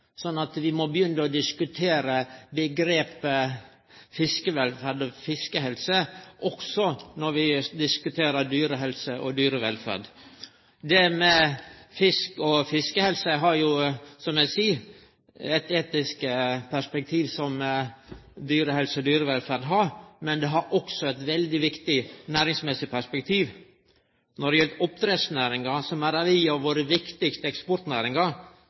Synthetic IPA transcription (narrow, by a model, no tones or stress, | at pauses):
sɔnːɑt̪ʋɪmɔbəjʏnːəɔd̪ɪskʉt̪ʰeːɾəbəɡɾeːpə | fɪskəʋɛlfæɾɖɔfɪskəɦɛlsəʔɔksɔnɔɾʋɪd̪ɪskʉt̪ʰeːɾəɾd̪yːɾəɦɛlsəʔɔd̪yːɾəʋɛlfæ̰ɖ̪ | d̪ɛmɛfɪskɔfɪskəhɛlsəɦɑɾjʊsɔmæɪsiː | ɛt̪eːt̪ɪskəpʰæʂpɛk̚t̪ʰiːʋsɔm | d̪yːɾəhɛlsəɔd̪yːɾəʋɛlfæːɾɖ̪ɦɑɾmɛnd̪ɛɦɑɾʔɔksɔɛt̪ʋɛld̪ɪʋɪkt̪ɪnæːɾɪŋsmɛsɪpʰæʂpɛk̚t̪ʰiːʋ | nɔɖɛjɛlt̪ɔp̚t̪ɾeːsnæːɾɪŋɑsɔmæɾɑʋiːɑʋʋoːɾəʋɪkt̪ɪkst̪əɛkspɔɾt̪næːɾɪŋɑɾ